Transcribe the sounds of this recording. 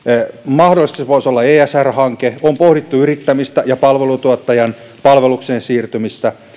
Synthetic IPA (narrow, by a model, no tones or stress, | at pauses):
mɑhdolist̪isʋoisolːɑeːæsærhɑŋkeompohdit̪ːuyrit̪ːæmist̪æjɑpɑlʋelut̪uɑt̪ːɑjɑn | pɑlʋelukseːnsiːrt̪ymist̪æ